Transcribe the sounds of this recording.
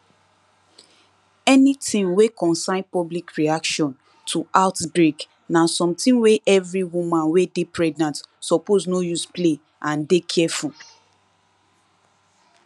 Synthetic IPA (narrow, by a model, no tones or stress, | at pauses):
ɛnitʰĩŋwekʰɔ̃nsãɪ̃npɔblikɹiakʃɔ̃n | tʰuʔaʊtbɹek | nasɔ̃mtĩnweʔɛvɹiwumãnwedepʰɹɛɡnãntsɔpoznojusple | ãndekʰɛfu